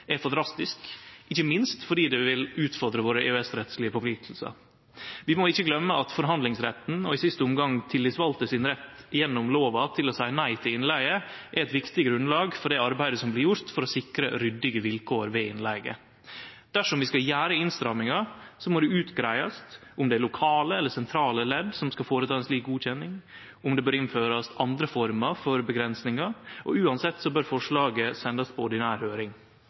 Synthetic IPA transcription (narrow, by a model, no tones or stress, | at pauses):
ɛfɑnd̪ɾɑst̪ɪskɪçːəmɪnst̪fɔɖiːd̪ɛʋɪlʉːt̪fɔɾd̪ɾəʋoːɾəḛːœɛsɾɛt̪slɪəfɔflɪt̪ʰl̩sɑ̰ | ʋɪmoɪçːəɡlœmːəʔɑt̪fɔɾɦɑnd̪lɪŋsɾɛt̪n̩ɔɪsɪst̪əʊmɡɑŋt̪ʰɪlːɪsʋɑlt̪əsɪnɾɛt̪ːjɛnːɔmloːʋɑt̪ʰɪlɔsæɪənæɪt̪ʰɪlɪnlæɪɡəʔæɾɛt̪ʋɪkt̪ɪɡɾʉnlɑːɡfɔɖɛɑɾbæɪd̪əsɔmblɪɾjʊɾt̪fɔɾɔsɪkɾəɾʏd̪ːɪɡəʋɪlkʰoːəɾʋeːɪnlæɪɡə̰ | d̪̥æʂɔmʋɪskɑljæːɾəɪnst̪ɾɑmɪŋɑsɔmɔd̪ʉʉːt̪ɡɾæɪɑst̪ʔʊmd̪ɛælʊkʰɑːləɛlːəsɛnt̪ʰɾɑːləlɛd̪sɔmskɑfoːɾət̪ʰɑːɛnsliːk̚ɡuːc͡çɛnːɪŋ | ʊmd̪ɛbøːɾɪnføːɾɑst̪ɑnd̪ɾəfɔɾmɑfɔɾbəɡɾɛnsnɪŋɑʔɔ̰ʉːɑnsɛt̪ːsɔbøːɾfɔʂɭɑːɡəsɛnd̪ɑspʰɔɔɖɪnæːɾhøːɾɪŋ